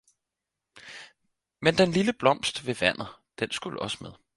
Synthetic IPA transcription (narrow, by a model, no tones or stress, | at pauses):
mend̥enliləb̥lɒ̽m̰sd̥ʋe̝ʋæn̰ð̩ˠd̥ensɡ̥uləʔɒ̽sə̥meðˠ